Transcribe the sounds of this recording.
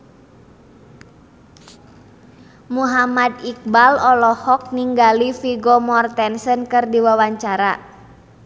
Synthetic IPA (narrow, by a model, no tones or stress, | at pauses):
muɦamad̪ik̚balɔlɔhɔk̚niŋɡalifiɡɔmɔrt̪ɛnsənkɨrdiwawaɲt͡ʃaɾa